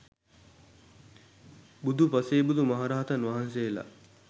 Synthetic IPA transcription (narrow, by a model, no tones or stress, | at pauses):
bud̪upaseːbud̪umɐɦaɾaɦat̪ɐnʋaɦansela̰